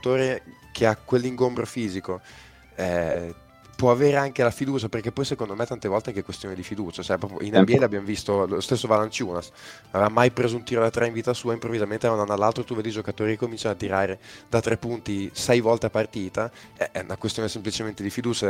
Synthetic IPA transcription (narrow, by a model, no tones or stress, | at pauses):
t̪oːɾe | kʰeakwelːiŋɡombɾofiːziko | ɛ | pwɔaveːɾeaŋkelafid̪uːt͡ʃaperkepːɔjsekond̪omet̪ːant̪evɔlt̪eaŋkekwest̪joːnid̪ifid̪uːt͡ʃaot͡ʃɛpɾɔːpjo̰ʔinɛbiɛlabjamovist̪olost̪esːovalant͡ʃuːnas | avevamajpɾeːzount̪iɾod̪at̪ɾeiɱviːt̪asuːaimpɾovːizament̪eananalːalt̪ɾot̪uved̪id͡ʒokat̪oːɾikekːomint͡ʃanoat̪ːiɾaːɾed̪at̪ːɾepːunt̪isɛjvɔlt̪eapart̪iːt̪a | ɛʔɛnakwest̪joːnesemplit͡ʃement̪ed̪ifid̪uːt͡ʃa